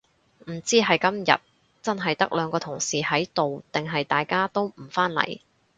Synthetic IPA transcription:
m̩˨˩t͡siː˥ɦɐ˨jkɐ˥mjɐ̰˨˩t̚ | t͡sɐ˥nɦɐ˨jt̪ɐ˥k̚lœː˨˧ŋkɔː˧t̪ʰʊ˨˩ŋsiː˨hɐ˨˥jt̪o˨wt̪ɪ˨ŋɦɐ˨jt̪aː˨jkaː˥t̪o˥wm̩˨˩faː˥nlɐ̰˨˩j

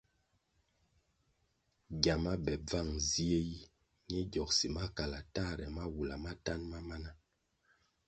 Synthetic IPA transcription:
ɡja˨ma˦bɛ˨b͡va˦˨ŋzi˦e˦ji˦ | ɲɛ˦ɟɔ˨ksi˨ma˦ka˨la˨ta˦˨ɾɛ˨ma˦wu˨la˨ma˦ta˦nma˦ma˦na˦

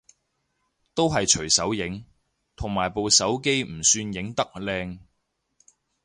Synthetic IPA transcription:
t̪o˥wɦɐ˨jt͡ʃʰɵ˨˩ɥsɐ˨˥wjɪ˨˥ŋ | t̪ʰʊ˨˩ŋmaː˨˩jpo˨wsɐ˨˥wke˥jm̩˨˩syː˧njɪ˨˥ŋt̪ɐ˥k̚lɛː˧ŋ

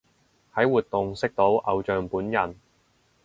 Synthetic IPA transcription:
hɐ˨˥jwuː˨t̪̚ʊ˨ŋsɪ˥k̚t̪o˨˥wʔɐ˨˧wt͡ʃœː˨ŋpuː˨˥njɐ˨n

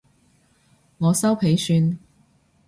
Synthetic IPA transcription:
ŋɔː˨˧sɐ˥wpʰe˨˥jsyː˧n

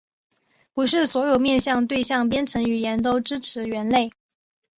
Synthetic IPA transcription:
pu˧˥ʂɻ̩˥˩swɔ˧˥jo˨˩ʊmjɛ˥˧nɕjɑ˥˧ŋt̪we˥˧ɪɕjɑ˥˧ŋp̬jɛ˥nʈ͡ʂʰɤ˧˥ŋy˨˩jɛ˧˥nt̪o˥ʊʈ͡ʂɻ̩˥ʈ͡ʂʰɻ̩˧˥ɥɛ˧˥nle˥˩ɪ

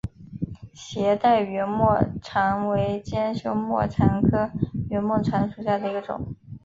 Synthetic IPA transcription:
ɕjɛ˧˥t̪a˥˩ɪɥɛ˧˥mwɔ˥˩ʈ͡ʂʰɑ˧˥ŋwe˧˥ɪt͡ɕjɛ˥nɕjo˧˥ʊmwɔ̰˥˩ʈ͡ʂʰa˧˥nkʰɤ˥ɥɛ˧˥nmwɔ˥˩ʈ͡ʂʰa˧˥nʂu˨˩ɕja˥˩d̪ə˩i˧˥ɡə˧ʈ͡ʂʊ̰˨˩˦ŋ

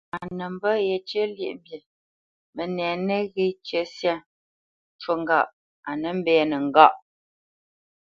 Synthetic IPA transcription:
a˨nə˨m̩˦bə˦je˨t͡ʃə˦ljḛ˦˨ʔbjə˨ | mə˨nɛː˨nə˦ɣe˦t͡ʃə˦sja˦˨ | t͡ʃwo˨ŋ˦ɡa˨ʔ | a˨nə˨m̩˦bɛː˨nə˨ŋ̩˨ɡa˦˨ʔ

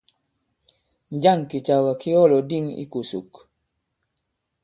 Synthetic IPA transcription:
ɲ˦d͡ʒa˦ŋki˨t͡ʃa˨wa˨ki˦ɔ˦lɔ˨di˦˨ŋḭ˦ku˨sṵ˨k

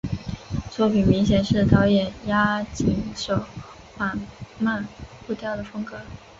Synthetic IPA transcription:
t͡swɔ˥˩pi˨˩nmi˧˥ŋɕ̬jɛ˨˩nʂɻ̩˥˩t̪ɑ˧˥ʊjɛ˨˩nja˥t͡ɕi˨˩ŋʂo˨˩ʊ | ma˥˨˩nma˥˧nfu˥˧t̪jɑ˥˩ʊd̪ə˩fɤ˥ŋkɤ˧˥

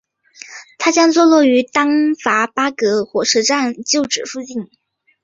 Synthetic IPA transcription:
t̪ʰa˥t͡ɕjɑ˥ŋt͡swɔ˥˧lwɔ˥˩y˧˥t̪ɑ˥ŋfa˧˥pa˥kɤ˧˥xwɔ˧˥ʂ̩˧˥ʈ͡ʂa˥˧nt͡ɕjo˥˩ʊʈ͡ʂɻ̩˨˩ʂu˥˧t͡ɕi˥˩n

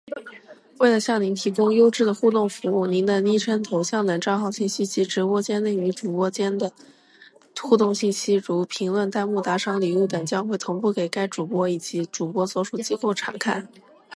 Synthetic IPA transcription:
we˥˩ɪlə˩ɕjɑ˥˩ŋni˧˥nt̪ʰi˧˥kʊ˥ŋjo˥ʊʈ͡ʂɻ̩˥˩d̪ə˩xu˥˧t̪ʊ˥˩ŋfu˧˥u˥˩ni˧˥nd̪ə˧ni˥ʈ͡ʂʰə˥nt̪ʰo˧˥ʊɕjɑ˥˩ŋd̪ə˨˩ʈ͡ʂɑ˥˧ʊxɑ˥˧ʊɕi˥˩nɕi˥˩nɕi˥ʈ͡ʂɻ̩˧˥pwɔ˥t͡ɕjɛ˥nli˥˩y˧˥ʈ͡ʂu˨˩pwɔ˥t͡ɕjɛ˥nd̪ə˨ | xu˥˧t̪ʊ˥˧ŋɕi˥˩nɕi˥ɻu˧˥pʰi˧˥ŋlwə˥˧nt̪a˥˧ɪmu˥˩t̪a˧˥ʂɑ˥ŋli˨˩u˥˩t̪ɛ˨˩nt͡ɕjɑ˥ŋxwe˥˩ɪt̪ʰʊ˧˥ŋpu˥˩ke˨˩ɪka˥ɪʈ͡ʂu˨˩pwɔ˥i˨˩t͡ɕi˧˥ʈ͡ʂu˨˩pwɔ˥t͡swɔ˥ʂu˥˩t͡ɕi˥ko˥˩ʊʈ͡ʂʰa̰˧˩ŋkʰa˥˩ɪ

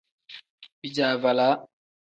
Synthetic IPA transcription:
bi˨d͡ʒa˨va˨la˦

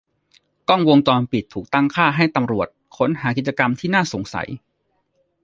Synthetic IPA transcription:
kɔ˥˩ŋwo˧ŋt͡ɕɔː˧npi˨˩t̪ʰːuː˨˩k̚t̪a˥˩ŋkʰaː˥˩ɦa˥˩jt̪a˧mɾu˨˩ət̪̚kʰo˩˨˦nɦaː˩˦ki˨˩t̪̚t͡ɕa˧ka˧mt̪ʰiː˥˩naː˥˩so˩˦ŋsa̰˩˦j

